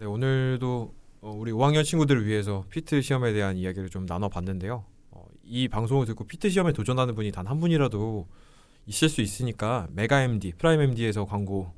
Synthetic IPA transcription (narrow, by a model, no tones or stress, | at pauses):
ne̞onɯɭdoʌuɾioɦaŋjʌnt͡ɕʰinɡudɯɾɥiɦe̞s̬ʰʌpʰitʰɯɕʰiʌme̞de̞ɦanijaɡiɾɯɭt͡ɕomnanʌpanːɯnde̞jo | ʌ̰ | ipaŋsʰoŋiɭtɯɡ͈opʰitʰɯɕʰiʌme̞tod͡ʑʌnanɯnbuɲitanɦanbuɲiɾado | iɕ͈iɭs͈uis͈ɯɲik͈ame̞ɡae̞mdipʰɯɾaime̞mdie̞sʰʌkwaŋɡo